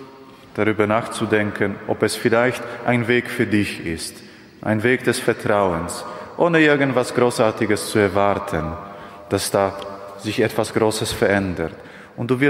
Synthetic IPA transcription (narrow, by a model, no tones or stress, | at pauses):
d̥aʁyːbɐnaːχt͡sudɛŋkʰənʔɔpɛsfɪlaɪçtʔaɪnveːkfyːɐdɪçɪst | ʔa̰ɪnveːkd̥ɛsfɛɐtʁ̥aʊənsʔoːnəɪɐɡn̩tv̥asɡ̥ʁoːsʔaːɐtɪɡəst͡suɛɐvaɐtʰən | d̥asd̥aː | z̥ɪçʔɛtv̥asɡ̥ʁoːsəsfɛɐʔɛndəɐt | ʔʊnt̚d̥uːvɪ